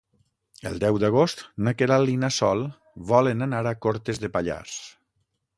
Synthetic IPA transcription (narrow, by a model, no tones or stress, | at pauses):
əlˠd̪ɛwd̪aɣ̞ost̪nakeɾalinasɔlˠ | βɔlenanaɾakoɾt̪ezðepaʎa̰s